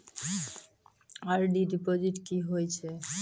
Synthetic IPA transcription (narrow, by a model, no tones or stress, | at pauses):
aɾɖiɖipod͡ʑiʈkiɦojt͡ɕʰe